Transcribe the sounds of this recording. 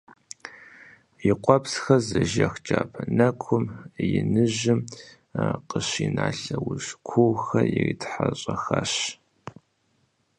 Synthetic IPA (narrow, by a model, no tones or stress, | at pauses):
jɪqʷɔpsxɐzɐʒɐxt͡ʃʼaːpʰɐnɐkʷʰʊmjɪnɨʑɪm | qəɕiːnaːɬɐwʊɕkʷʰuwxɐjɪriːtħaɕʼɐxaɕ